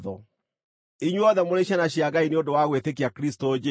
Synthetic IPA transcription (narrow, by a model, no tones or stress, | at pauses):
ðɔ | iɲwɔðɛmoɾeɕ̬anaɕjaɣaineondowaɣwetek̬iakɾistod͡ʒɛ